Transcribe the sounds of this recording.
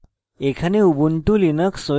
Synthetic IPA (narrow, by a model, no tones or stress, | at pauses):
ekʰaneubuɳʈulinəkso